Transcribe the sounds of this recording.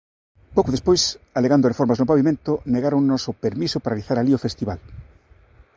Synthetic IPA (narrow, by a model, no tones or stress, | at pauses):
powkoðespojsaleɣand̪ʊrefɔɾmaznʊpaβimẽnt̪ʊneɣaɾoŋnosopeɾmisʊpaɾeliθaɾaliofest̪iβal